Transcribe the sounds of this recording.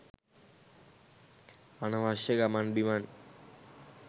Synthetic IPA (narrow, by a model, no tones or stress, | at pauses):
anaʋaʃeɡamanbiman